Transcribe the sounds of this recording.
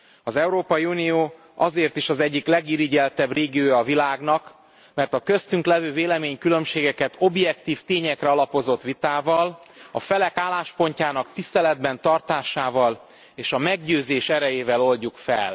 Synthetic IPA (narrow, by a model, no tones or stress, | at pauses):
ɒzɛuɾoːpɒjiunijoː | ɒzeːrt̪iʃɒzɛɟːiklɛɡiɾiɟɛlt̪ɛbreːɡioːjɒːvilaːɡnɒk | mɛrt̪ɒkø̞st̪yŋklɛvøːveːlɛmeːɲkylø̞mʃeːɡɛkɛt̪o̞bjɛkt̪iːft̪eːɲɛkrɛɒlɒpo̞zo̞t̪ʋit̪aːvɒlɒ̰fɛlɛkaːlːaːʃpo̞ɲcaːnɒkt̪ist̪ɛlɛd̪bɛnt̪ɒrt̪aːʃaːvɒl | eːʃɒmɛɡɟøːzeːʃɛɾɛjeːvɛlo̞lɟukfɛ̰l